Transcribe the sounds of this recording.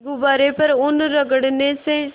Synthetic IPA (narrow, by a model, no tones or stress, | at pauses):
ɡʊbaːɾepəɾʊnɾəɡəɽnesẽ